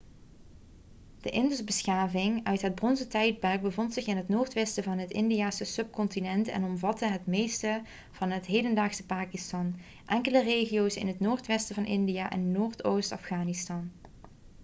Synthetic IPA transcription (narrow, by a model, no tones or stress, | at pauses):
d̥əʔɪndɵsbəsxaːvɪŋœɥtɦəd̚brɔnsətɛjd̚bɛrɡ̚bəvɔntsɪχɪnɦətnoːɹtʋɛstəvɑnɦətɪndijaːsəsɵp̚kɔntinɛntɛ̰nɔmvɑtəɦətmejstə | v̥ɑnɦətɦejdəndaːxsəpaːkistɑn | ʔɛŋkələreːχijowsɪ̰nɦətnoːɹtʋɛstəvɑnʔɪndijaːʔɛ̰nnoːɹtʰowstɑ̰fχaːnistɑn